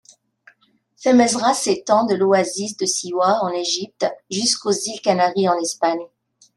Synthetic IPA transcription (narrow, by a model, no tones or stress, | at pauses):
fɛmɛzʁaset̪ɑ̃d̪əloazisd̪əsiwaɑ̃neʒip̚t̪ʒyskozilkanaʁiɑ̃nɛspaɲ